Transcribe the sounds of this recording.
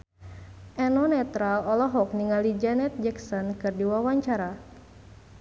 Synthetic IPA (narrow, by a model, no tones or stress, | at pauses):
ʔɛnɔnɛt̪ɾalɔlɔɦɔk̚niŋalid͡ʒanɛt̪̚d͡ʒɛksɔnkɨrdiwawaɲt͡ʃaɾa